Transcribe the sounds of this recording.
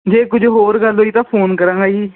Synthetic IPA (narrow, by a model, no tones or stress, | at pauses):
d͡ʒeːkʊd͡ʒɦoːɾɡəlɦoiːt̪ãːpʰoːnkəɾãːɡaːiː